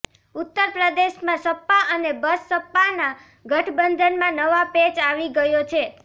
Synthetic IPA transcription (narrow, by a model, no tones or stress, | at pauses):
ut̪ːəɾpɾəd̪eʃmãsəpːaʔənebəsːəpːana | ɡʱəʈʰbənd̪ʱənmãnəʋapet͡ʃaʋiɡəjot͡ʃʰe